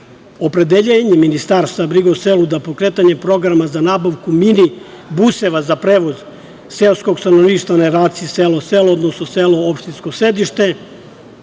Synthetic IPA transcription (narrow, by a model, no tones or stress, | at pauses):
o̞pɾed̪eʎeːɲeminist̪aːɾst̪vabɾiɡoselud̪apo̞kɾeːt̪aɲe̞pɾo̞ɡɾamazanaːbaʋkumini | buse̞ʋazapɾeːʋo̞z | selˠsko̞ɡst̪anoʋniːʃt̪vanaeɾaːt̪siiseloselod̪nosnoseloopʃt̪insko̞sɾe̞d̪iʃt̪e̞